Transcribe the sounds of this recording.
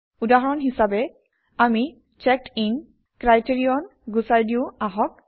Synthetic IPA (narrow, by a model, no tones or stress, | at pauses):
udaɦɔɹɔnɦisabɛ | ami | t͡ʃɛk̚ʈin | kɹajtiɹijɔnɡusaɹdiuaɦɔk̚